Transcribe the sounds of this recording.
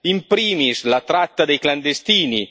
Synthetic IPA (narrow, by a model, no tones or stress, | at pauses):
impɾiːmislat̪ɾat̪ːad̪ejkland̪est̪iːni